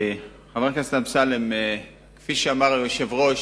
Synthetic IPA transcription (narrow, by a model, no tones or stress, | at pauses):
χavekast̪amsaleme | kfiʃeamaʁjoʃevʁoʃ